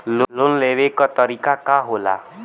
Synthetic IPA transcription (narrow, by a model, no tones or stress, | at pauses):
llʊnleːʋekat̪əɾiːkakaɦoːla̰ː